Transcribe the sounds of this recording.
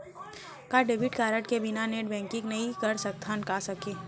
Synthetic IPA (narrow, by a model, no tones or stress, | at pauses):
kaɖeːbɪʈkaːɾəʈkebɪnaneːʈbɛ̃ːŋkɪ̃ŋɡnɐɦĩkɐɾsɐk̚t̪ʰankasɐkeː